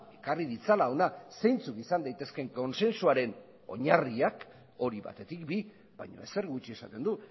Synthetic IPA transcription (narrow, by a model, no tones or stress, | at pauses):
e̞kariðit͡salao̞nasejnt͡sukisand̪ajt̪e̞ske̞ŋko̞nse̞nsuaɾe̞n | o̞̰ɲariak | o̞ɾiβa̰t̪e̞t̪ikbi | ba̰jɲo̰e̞̰se̞ɾɣut͡ʃie̞sat̪e̞nd̪u